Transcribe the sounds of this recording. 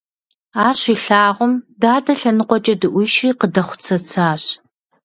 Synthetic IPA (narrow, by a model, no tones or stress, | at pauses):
aːɕiːɬaːʁʷʊmdaːdɐɬɐnɨqʷɔt͡ʃʼɐdɨʔʷiʃriːqədɐχʷʊ̥t͡sʰɐt͡sʰaːɕ